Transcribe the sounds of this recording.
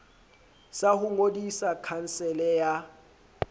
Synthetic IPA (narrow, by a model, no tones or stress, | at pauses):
sahʊŋodisakʰan̩sɛlɛja